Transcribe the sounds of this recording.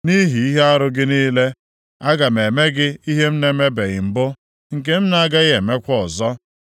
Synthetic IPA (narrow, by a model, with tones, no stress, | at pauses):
ni˦ɦi˨i˦ɦe˦a˦ɾʊ˦ɡɪ˦niː˦le˦ | a˦ɡa˨me˨me˦ɡɪ˦i˦ɦe˦m̩˦ne˦me˦be˨ɣɪ˨m̩˨bʊ˦ | ŋ̩˨ke˦m̩˦na˨a˦ɡa˦ɣe˨me˦kʷɔ˨zɔ˦